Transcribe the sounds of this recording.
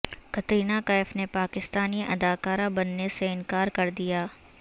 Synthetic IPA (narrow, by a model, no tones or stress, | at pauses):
kɐt̪ɾiːnakaɪfnepaːkɪst̪aːniʔɐ̰d̪aːkaːɾabɐnːeseɪ̃nkaːɾkɐɾd̪ijaː